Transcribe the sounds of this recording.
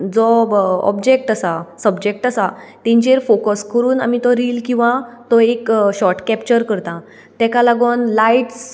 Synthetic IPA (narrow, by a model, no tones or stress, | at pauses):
d͡zɔɔ̰bd͡ʑek̚ʈəsasəbd͡ʑek̚ʈəsat̪ɛ̃ɲt͡ɕeɾfokəskəɾuːna̰mit̪ɔɾiːlkĩʋãt̪ɔekɕɔɾʈkɛpt͡ɕəɾkəɾt̪ã | t̪ɛkalaɡonlaiʈs